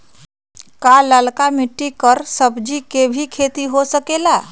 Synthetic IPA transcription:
kaləlkamiʈːikəɾsəbd͡ʒikebʱikʰet̪iɦosəkela

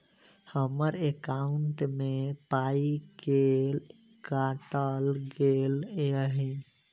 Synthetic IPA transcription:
həməɾekaʊɳʈmẽpaikel | kaʈəlɡeleəɦi

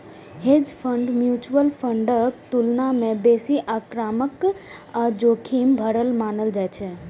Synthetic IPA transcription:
ɦed͡ʒpʰəɳɖmjut͡ʃuəlpʰəɳɖəkt̪ulnamebesiʔakɾaməkad͡ʒokʰimbʱəɽəlmanəld͡ʒajt͡ʃʰɛ

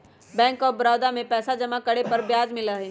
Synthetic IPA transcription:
bɛ̃ːŋkɔːɾbɾaːd̪amẽpɛːsad͡ʒɐmakɐɽepɐɾbjaːd͡ʒmɪlaɦeː

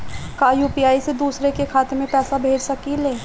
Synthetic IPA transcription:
kaːjuːpiaːised̪uːsɾekekʰaːt̪emẽpɛːsabʱeːd͡ʒsɐkileː

